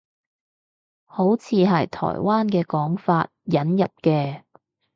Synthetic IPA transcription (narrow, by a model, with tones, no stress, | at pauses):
ho˨˥wt͡sʰiː˨˧ɦɐ˨jt̪ʰɔ̰ː˨˩jwaː˥nkɛː˧kɔː˨˥ŋfaː˧t̚jɐ˨˥njɐ˨p̚kɛː˧